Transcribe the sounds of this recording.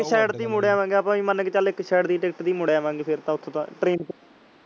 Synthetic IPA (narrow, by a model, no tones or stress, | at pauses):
kʃɛːɖd̪iːmʊɽjaːʋãːŋɡeːəpãːʋĩːmənkːt͡ʃəlɪkʃɛːɽd̪iːʈɪkʈd̪iːmʊɽjaːʋãːŋɡeːpʰɪɾt̪ãːʊt̪ʰːõːt̪ã̰ːʈɾeːnp